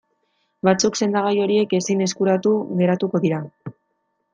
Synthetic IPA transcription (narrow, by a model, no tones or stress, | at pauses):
bat͡sukse̞nd̪aɣ̞ajo̞ɾie̞ke̞sine̞skuɾat̪uɣe̞ɾat̪uko̞ðiɾa